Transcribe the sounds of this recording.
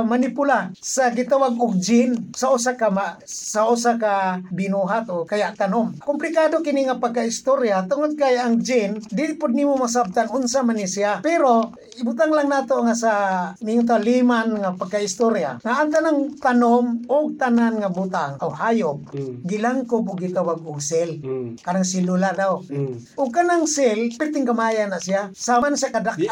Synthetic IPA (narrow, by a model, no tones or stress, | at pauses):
manipʊlasaɡɪt̪awaɡ̚ʊɡ̚d͡ʒɪnsaʊsakamasaʔʊsakabɪnuɦat̪okajaʔt̪anomkʊmplɪkaːdokɪniŋapaɡ̚kaɪst̪oɾjat̪ʊŋʊd̪̚kajʔaŋd͡ʒɪnd̪ɪɪʔpʊd̪nimʊmas̬ab̚t̪aŋʊnsamanisiapɛɾo | ɪbʊt̪aŋlaŋnaːt̪oʔŋasaniŋt̪̬awlimanŋapaɡ̚kahist̪oɾja̰ŋaːŋt̪anaŋt̪anomʊɡ̚t̪ananŋabʊt̪aŋowhaːjʊp̚ɡɪlaŋkʊbʊɡɪt̪awaɡʊɡsɪlkanaŋsɪlʊladawʔʊɡ̚kanaŋsɪlpɪɾt̪ɪŋkamajanasiasamansakadak